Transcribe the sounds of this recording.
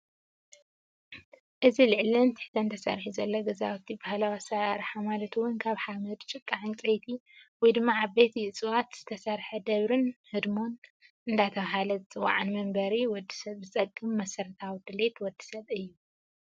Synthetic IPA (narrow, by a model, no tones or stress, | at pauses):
ʔɨzilɨʕlint̪ʰɨ̥ħt̪ʰɐɨnt̪ʰɐsɐ̰ɾħuzɐlːoɡɐzawt̪ʰibahalawasɐɾaɾħamalɐt̪ʰuwʊnkʰaβħamɐd̪t͡ʃʼɨkʼːaʕɨnt͡sʼɐjt̪ʰiwɔjd̪ɨmːaʕaβbet̪ʰiɨt͡sʼɨwat̪z̥ɨt̪ʰɐsɐɾħɐd̪ɐβɾɨnhɨd̪mo̞n | ʔɨnd̪at̪ʰɐβaɦalɐzɨt͡sʼɨwa̰ʕɨnmɐmbɐɾiwɔd̪ːi̥sɐβzɨt͡sʼɐkʼːɨmːɐsɐɾt̪ʰawd̪ɨle̞t̪wɔd̪ːi̥sɐβɨjːu